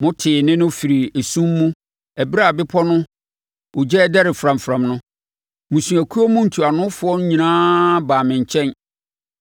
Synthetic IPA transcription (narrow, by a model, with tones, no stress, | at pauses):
mʊ̃˦tʰɪː˨nɪ̃˦nʊ̃˦fi˨ɾi˨e˨sũ˦mːũ˦ | æ˨bi˦ɾa˦˨bɪ˦pʰɔ˦nʊ̃˦ | ʊ˨d͡ʑɛ˦dɛ˦ɾɪ˨fɾã˨mfɾã˨mnʊ̃˦ | mũ˨sũ˨æ˨kʰu˦ɔ˦mũ˦n̩˨tʰu˨a˨nʊ̃˦fʊ˨ɔ˦n˦ɲĩ˨nãː˦baː˨mɪ̃˨ɲ˨t͡ɕʰɛ̃˦n